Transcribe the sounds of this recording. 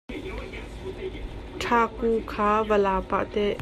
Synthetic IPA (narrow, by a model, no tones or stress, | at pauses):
ʈʰakukʰaːvəlaːpa̰ʔt̪ɛ